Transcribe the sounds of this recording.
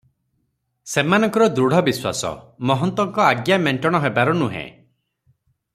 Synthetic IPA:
semanɔŋkɔɾɔd̪ɾuɽ̤ɔbiswa̰sɔ̰mɔɦɔnt̪wɔŋkɔaɡjameɳʈɔɽ̃ɔɦebaɾɔnuɦḛ̃

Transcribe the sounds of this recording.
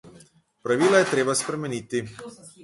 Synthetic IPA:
pɾaʋiːlajɛt̪ɾeːbaspɾɛmɛniːt̪i

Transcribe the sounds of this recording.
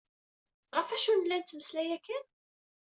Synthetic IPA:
ʁəfæʃunəlːænt̪ːməslæjækːæn

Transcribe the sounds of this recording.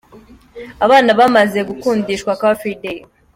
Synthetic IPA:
aβaːnaβamaze̞ɡukuːndiʃkwakafide

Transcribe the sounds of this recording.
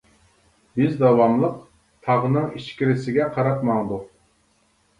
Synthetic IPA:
bɪzd̪ɑwɑmlˠəq | t̪ʰɑʁənɨŋiʃkʲiɾɪsɪɡʲɛqʰɑɾɑt̪mɑŋd̪uq

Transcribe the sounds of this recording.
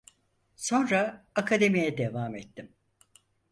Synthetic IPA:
so̞nɾaːkʰad̪e̞mijɛd̪evaːmɛt̪ːim

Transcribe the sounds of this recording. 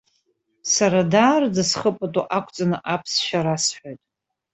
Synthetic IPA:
saɾadaːrdɨsχəpʼatʼṵʔakʷʰʼt͡sʼanɨʔapʰsʃaɾasħʷojtʼ

